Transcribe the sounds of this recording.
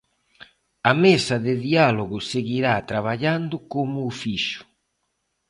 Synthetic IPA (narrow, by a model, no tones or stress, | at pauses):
amesaðɪðialoɣʊseɣiɾat̪ɾaβaʎand̪ʊkomʊːfiʃʊ̥